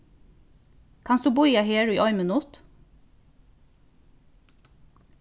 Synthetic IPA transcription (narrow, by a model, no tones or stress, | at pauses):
kʰɑnsd̪ʉːbuːiːɑheːɽʉiːʔɔʏmənuːt̪